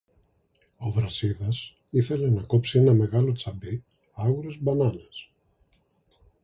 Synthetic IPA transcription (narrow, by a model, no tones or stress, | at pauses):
o̞vɾɐsiðɐs | iθe̞le̞nɐko̞psie̞nɐme̞ɣɐlo̞t͡sɐbi | ɐɣuɾe̞zbɐnɐnes